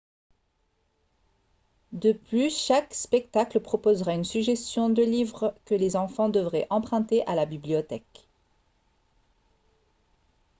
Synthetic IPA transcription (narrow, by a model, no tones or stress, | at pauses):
d̪əplyʃakspɛk̚t̪akləpχɔpozʁaynsyɡʒɛst̪jɔ̃d̪əlivʁkəlezɑ̃fɑ̃d̪əvʁɛʔɑ̃pχɛ̃t̪eʔalabibliɔt̪ɛk